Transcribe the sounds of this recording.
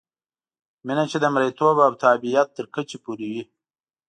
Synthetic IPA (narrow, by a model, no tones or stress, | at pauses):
minat͡ʃed̪əmɾejt̪obab̚t̪aːbijat̪ːəɾkət͡ʃepuɾiwi